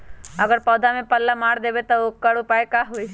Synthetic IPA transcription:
əɡəɾpɔːd̪ʱamẽpəlːamaːɽd̪ebet̪ookːəɽupajkaɦoj

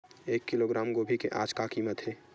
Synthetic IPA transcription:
eːkːɪloɡɾaːmɡoːbʱikḛʔa̰ːd͡ʒkakiːmət̪ɦeː

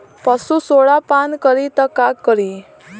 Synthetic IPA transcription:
pasusoɭapankəɾit̪əkakːəɾi

